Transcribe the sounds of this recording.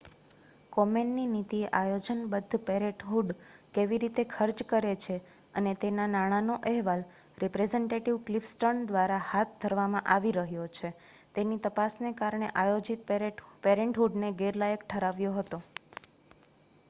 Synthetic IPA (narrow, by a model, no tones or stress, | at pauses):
kɔmenːinit̪ieʔajod͡ʒənbəd̪ʱːpeɾeʈɦuɖkeʋiɾit̪ekʰəɾt͡ʃkəɾet͡ʃʰe | ənet̪enanaɽ̃anoʔɛɦʋal | ɾɛpɾed͡ʒeɳʈeʈiʋklifsʈəɾɳd̪ʋaɾahat̪̚d̪ʱəɾʋamãʔaʋiɾəɦjot͡ʃʰe | t̪enit̪əpasnekaɾɳ̃eʔajod͡ʒit̪̚peɾeɳʈɦuɖneɡeɾlajəkʈʰəɾaʋjoɦət̪o